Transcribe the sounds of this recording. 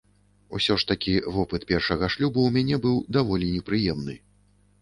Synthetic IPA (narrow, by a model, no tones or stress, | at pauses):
ṵsʲɔʂt̪akʲivɔpɨt̪pʲɛrʂɐɣɐʂlʲubuwmʲanʲɛbɨwd̪avɔlʲinʲɛpɾɨjɛmnɨ̰